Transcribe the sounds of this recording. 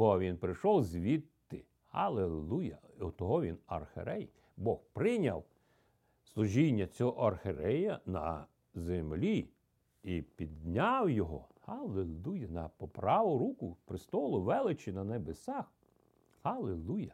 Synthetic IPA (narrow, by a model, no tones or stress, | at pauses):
bɔʋʲinpɾɪʃɔwzʲʋʲit̪ːɪ | hɐlˠelˠujɐ | ɔt̪ɔɦɔʋʲinɐ̰rxḛɾɛj | bɔxpɾɪnʲɐw | slˠʊʒʲinʲːɐt͡sʲɔɦɔʔɐrxeɾɛjɐnɐ̰ | zemlʲi | ipʲid̪nʲɑwjɔɦɔ̰hɐlˠelˠujɐnɐpɔpɾɑʋʊɾukʊpɾɪst̪ɔlˠʊʋɛlˠɪt͡ʃinɐnebesɑx | hɐlˠelˠujɐ